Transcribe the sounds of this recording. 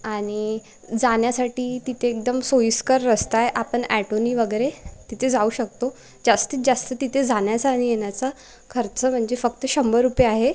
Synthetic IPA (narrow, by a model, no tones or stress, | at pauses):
aɽ̃i | d͡zaɳjasaʈiːt̪it̪ʰeːk̚d̪əmsojskəɾːəst̪ajʔapəɳæʈoniʋəɡəjɾet̪it̪ʰed͡zauːɕək̚t̪o | d͡zast̪iːt͡sd͡zast̪ət̪it̪ʰed͡zʱaɳjat͡saːɽ̃ijeɳjat͡sa | kʰəɾt͡səm̤əɳd͡ʑefəkt̪əɕəmbəɾupeaɦe